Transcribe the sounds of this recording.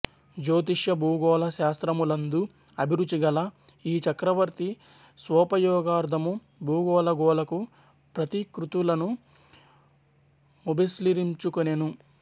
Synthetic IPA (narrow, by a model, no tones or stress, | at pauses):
d͡ʒoːt̪̬iʂjɐbʱuːɡɔːlɐʃaːst̪ɾɐmulɐnd̪u | ɐbʱiɾut͡ʃːiɡɐlɐ | iːt͡ʃɐkɾɐʋɐɾt̪i | sʋɔːpɐjɔːɡaːɾd̪ʱɐmu | bʱuːɡɔːlɐɡɔːlɐku | pɾɐt̪ikɾut̪ulɐnu | ubʱɐsliɾiɲt͡ʃukunenu